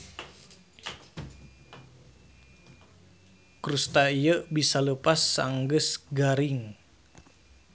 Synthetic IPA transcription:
kɾust̪aijəbisaləpasːaŋɡəsɡaɾiŋ

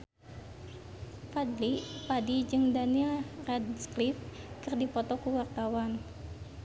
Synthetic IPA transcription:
fadlipadid͡ʒɨŋdanilrɛd̚sklifkɨrdipɔt̪ɔkuwart̪awan

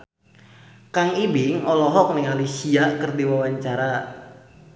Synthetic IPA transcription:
kaŋibɪŋɔlɔɦɔk̚nɪŋalisiakərdiwawaɲt͡ʃaɾa

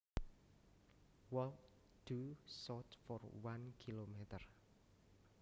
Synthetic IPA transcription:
wɔl | d̪̥usɔt̪fɔrwankʰilomet̪ər

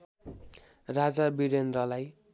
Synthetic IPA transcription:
rad͡zabiɾend̪rʌlaj

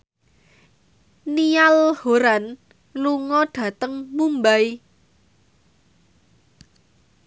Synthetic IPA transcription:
nialhoɾan | luŋɔɖ̪̥ä̤t̪əŋmumbaj

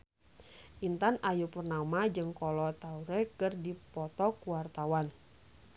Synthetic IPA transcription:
ʔint̪anajupərnamad͡ʒɨŋkɔlɔt̪auɾɛkɨrdipɔt̪ɔkuwart̪awan

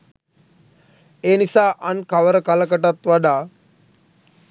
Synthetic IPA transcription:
eːnisaːʔankaʋəɾəkaləkəʈat̪ʋaɖaː

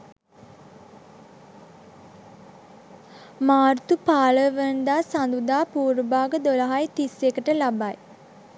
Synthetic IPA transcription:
maːrt̪upaːləʋənd̪aːsand̪ud̪aːpuːɾbaːɡəd̪olaɦajt̪isekəʈəlabaj

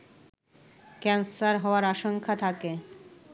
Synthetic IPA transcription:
kɛnsaɾɦɔoaɾaʃoŋkʰat̪ʰake

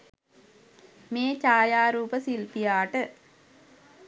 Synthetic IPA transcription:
meːt͡ʃaːjaːɾuːpəsilpijaːʈə

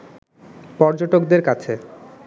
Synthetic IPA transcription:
pɔɾd͡ʑoʈokd̪eɾkat͡ɕʰe

